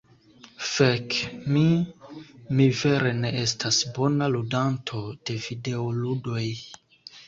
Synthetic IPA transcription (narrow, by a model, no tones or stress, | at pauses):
fekmi | mive̞ɾe̞ne̞ʔestasbo̞naludantʰo̞d̥e̞vide̞oludo̞j